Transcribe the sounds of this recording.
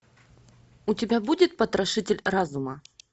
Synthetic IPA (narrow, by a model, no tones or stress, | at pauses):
ʊtʲɪbʲabudʲɪt̪̚pət̪ɾɐʂɨtʲɪlʲrazʊmə